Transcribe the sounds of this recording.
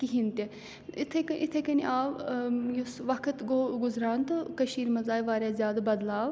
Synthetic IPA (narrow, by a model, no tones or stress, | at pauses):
kiɦint̪e | it̪ʰɐkɐʔit̪ʰɐkɐniʔaːʋjusʋɐkʰət̪ɡoɡʊzɾaːnt̪ɨkɐʃiːɾmɐzaːjʋaːɾʲjaːzʲjaːd̪abɐd̪laːʋ